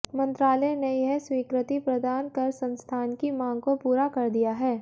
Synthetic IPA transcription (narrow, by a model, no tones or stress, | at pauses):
mɐ̃nt̪ɾaːlənejɛɦswiːkɾɪt̪ipɾɐd̪aːnkɐɾsɐ̃nst̪ʰaːnkimãːɡkopuːɾakɐɾd̪ijaɦɛː